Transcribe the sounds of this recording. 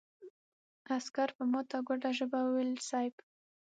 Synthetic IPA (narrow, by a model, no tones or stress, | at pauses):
askaɾpəmot̪aɡwaɖaʒəbawəwelsajp